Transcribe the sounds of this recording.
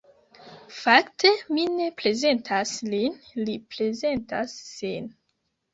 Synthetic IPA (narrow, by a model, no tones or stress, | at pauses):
faktʰe̞mine̞pɾe̞ze̞ntʰaslinlipɾe̞ze̞ntasːin